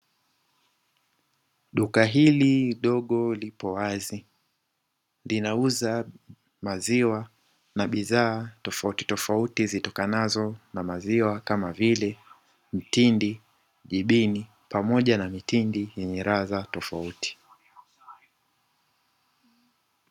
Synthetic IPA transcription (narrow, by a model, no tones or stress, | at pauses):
ɗukaɦiliɗɔɠɔlipɔwazi | linauza | maziwa | naɓiðaːtɔfauti̥tɔfautizitɔkanazɔnamaziwakamavilɛ | m̩tindi | ʄiɓini | pamɔʄanamitindijɛɲɛɾaðatɔfauti̥